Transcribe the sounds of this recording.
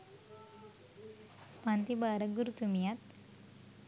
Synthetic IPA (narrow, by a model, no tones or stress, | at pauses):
pant̪ibaɾəɡuɾut̪umijat̪